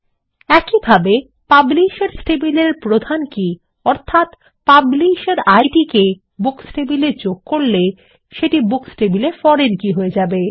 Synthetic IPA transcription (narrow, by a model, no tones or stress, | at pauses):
ɛkibʱabe | pabliʃeɾsʈebileɾpɾod̪ʱanki | ɔɾt̪ʰat̪ | pabliʃaɾajɖike | buksʈebilet͡ɕoɡ̚koɽle | ʃeʈibuksʈebilefɔɾenkiɦoed͡ʑabe